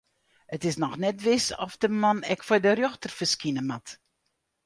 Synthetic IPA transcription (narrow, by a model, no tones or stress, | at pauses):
ətɪsnɔxnɛtʋɪsɔ̰fdəmanɛkfɔjdərjoxtərfəskinəmat